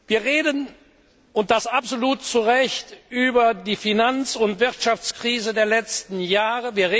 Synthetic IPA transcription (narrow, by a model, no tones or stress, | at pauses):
viːɐʁeːdən | ʊnt̚d̥asapz̥oluːtt͡suʁɛçtʔyːbɐdiːfinant͡sʊntv̥ɪʁtʃaft͡skʁ̥iːzədeːɐlɛt͡stn̩jaːʁəviːɐʁeː